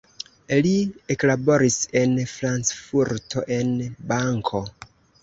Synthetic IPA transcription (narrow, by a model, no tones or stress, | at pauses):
lieklabo̞ɾise̞nfɾant͡sfuɾtʰoʔenbaŋkʰo